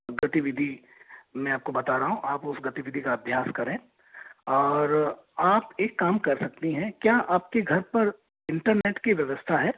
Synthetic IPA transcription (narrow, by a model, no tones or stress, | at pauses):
ɡɐt̪iʋɪd̪ʱi | mɛ̃aːp̚kobɐt̪aɾɐɦũʔaːpʊsɡɐt̪iʋɪd̪ʱikaɐbʱjaːskɐɾẽː | ɔːɾaːpeːkːaːmkɐɾsɐk̚t̪iɦɛ̃kjaːʔaːp̚keɡʱɐɾpɐɾ | ɪ̃ɳʈəɾneːʈkiʋjɐʋəst̪ʰaɦɛː